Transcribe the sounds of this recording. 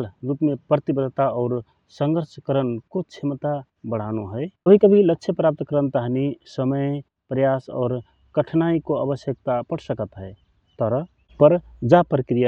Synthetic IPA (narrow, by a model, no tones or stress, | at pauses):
lɾupmepɾət̪ibəd̪ʱt̪aɔːɾ | səŋɡəɾt͡ʃʰkəɾənkot͡ʃʰemt̪a | bəɽ̤anuɦəjəbʱikəbʱiləkːʃʰepɾap̚t̪kəɾənt̪aɦnisəməj | pɾəjasɔ̰ːɾ | kəʈʰnaikoa̰bəsjək̚t̪apəɽsəkət̪ɦəɪ | t̪ɔɾə | pəɾd͡ʒapɾəkɾija